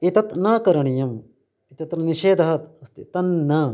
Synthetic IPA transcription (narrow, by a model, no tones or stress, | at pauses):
it̪ɐt̪naːkɐɾɐɳijɐm | it̪ɐt̪nɐniʃeːd̪ʱɐɦɐt̪ɐst̪it̪ɐnːaː